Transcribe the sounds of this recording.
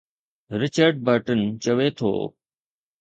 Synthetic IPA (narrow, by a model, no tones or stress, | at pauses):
ɾɪt͡ʃəɾɖ̚bəɾʈənt͡ʃəʋeːt̪ʰo̰ː